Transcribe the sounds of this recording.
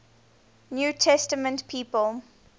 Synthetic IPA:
njuːtʰɛstəmə̃ntpʰiːpəl

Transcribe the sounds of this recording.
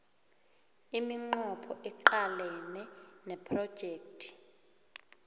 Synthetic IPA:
imiŋ͡ǃɔpʰɔʔɛǃalɛnɛnɛpʰrɔd̥ʒ̥ʱeːk̚tʰʼi̥

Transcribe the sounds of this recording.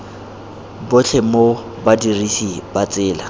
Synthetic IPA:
bʊt͡ɬʰemo | badirisibat͡sɪːla

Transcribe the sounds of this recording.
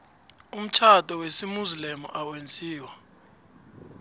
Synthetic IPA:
um̩t͡ʃʰatʼɔwesimuzlemṵʔawend͡zʱiːwa

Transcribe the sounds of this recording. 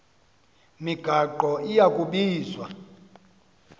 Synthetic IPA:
miɡ̥ʱaǃɔʔijakʼuɓiːzwa̰

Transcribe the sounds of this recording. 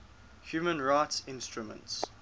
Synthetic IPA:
hjuːmə̃nɹaɪtsɪ̃nstɹumə̰̃nts

